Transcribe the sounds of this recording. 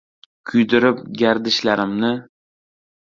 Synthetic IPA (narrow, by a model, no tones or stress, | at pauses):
kʲʰʊjd̪ɪɾɪp̚ɡʲaɾd̪ɪʃlaɾɪmnɪ